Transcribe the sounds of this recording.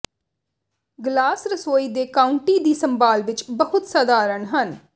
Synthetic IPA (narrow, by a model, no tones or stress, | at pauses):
ɡlaːsɾəsoːiːd̪eːkaːʊɳʈiːd̪iːsəmbaːlʋɪt͡ʃbəɦʊt̪səd̪aːɾəɳɦən